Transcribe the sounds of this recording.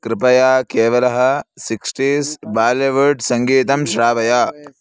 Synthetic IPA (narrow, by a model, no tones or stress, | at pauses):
kɾɪpɐjaːkeːʋɐlɐɦɐ̆siksʈiːsbaːleʋɐɾɖsɐŋɡiːt̪ɐmʃɾaːʋɐjaː